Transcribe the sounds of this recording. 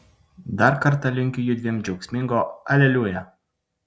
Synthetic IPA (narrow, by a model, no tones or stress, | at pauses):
d̪ɑɾkɐɾt̪ɐlʲɪŋʲkʲɪjʊd̪ʲʋʲiɛmd͡ʒʲɛʊksʲmʲɪŋɡoɐlʲɛlʲuːjɛ